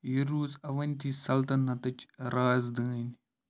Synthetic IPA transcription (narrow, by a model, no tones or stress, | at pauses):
jiɾuːzɐʋɐnʲt̪iːsɐlt̪ɐnːɐt̪ɐt͡ʃɾaːzd̪əːn